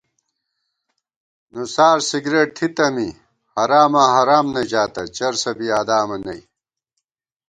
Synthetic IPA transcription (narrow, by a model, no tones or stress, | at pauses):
nusaːɾsiɡɾeʈ̚t̪ʰit̪ɐmi | hɐɾaːmɐɦɐɾaːmnɐd͡ʑaːt̪ɐt͡ɕɐɾsɐbiaːd̪aːmɐnɐ̰j